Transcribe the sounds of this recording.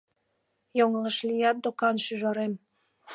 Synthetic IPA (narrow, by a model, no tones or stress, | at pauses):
joŋələʃlijɑt̪̚d̪okɑnʃyʒɑɾem